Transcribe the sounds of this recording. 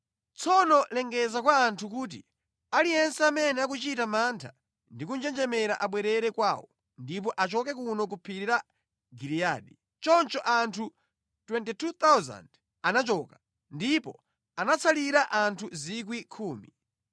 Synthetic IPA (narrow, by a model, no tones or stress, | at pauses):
t͡sʰɔnɔlɛŋɡɛzakwaːntʰuk̬uːt̬ḭ | alijɛnsɛamɛnɛak̬ut͡ʃitamantʰa | ndikund͡ʒɛnd͡ʒɛmɛɾaʔaɓwɛɾɛɾɛkwaːwɔ | ndip̬ɔʔat͡ʃɔkɛkunɔk̬upʰiɾiɾa | ɡiɾiaːɗi | t͡ʃɔnt͡ʃɔʔantʰu | twɛntitʰut̪awza̰nd | anat͡ʃɔːka | ndipɔ | anat͡sʰaliɾaʔantʰuzik̬wikʰuːmi